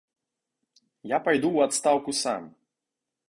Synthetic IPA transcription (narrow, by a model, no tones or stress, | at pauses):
japajd̪uwat̪st̪awkusa̰m